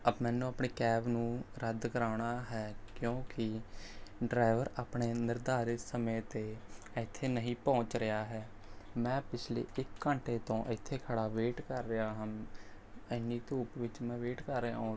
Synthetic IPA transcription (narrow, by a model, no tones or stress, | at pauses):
əbmɛ̃ːnũːapɳeːkɛːbnũːɾəd̪kəɾaːɽaːɦɛːkjõːkɪ | ɖɾaːɪʋəɾaːpɳeːnɪɾd̪aːɾɪsəmẽːt̪eː | əɪt̪ʰːeːnəɦĩːpɔ̃ːɲt͡ʃɾɪjaːɦɛː | mɛ̃ːpɪt͡ʃʰlḛːʔɪkːəɳʈeːt̪õːʔɪt̪ʰːeːkʰəɽaːʋeːʈkəɾːəjaːɦəm | əniːt̪uːpʋɪt͡ʃmɛ̃ːʋeːʈkəɾːəã̰ːɦõː